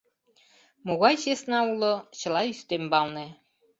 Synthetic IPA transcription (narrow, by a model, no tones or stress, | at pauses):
moɣɑjɕesnɑulŏt͡ɕɤ̆lˠɑyst̪embɑlˠne